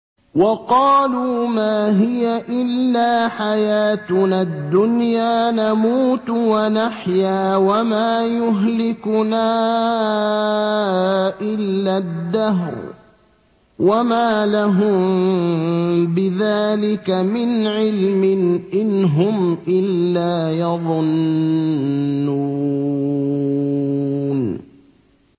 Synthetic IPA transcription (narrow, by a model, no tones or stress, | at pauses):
wɑqɑːluːmaːɦɪjaʔɪlːaːħajaːt̪nad̪ːʊnjaːnamuːt̪wanaħjaːwamaːjʊɦlɪkʊnaː | ʔɪlːad̪ːaɦɾ | wamaːlaɦʊm | bɪðaːlɪkamɪnʕɪlmɪnʔɪnɦʊmʔɪlːaːjɑðˤʊn | u | n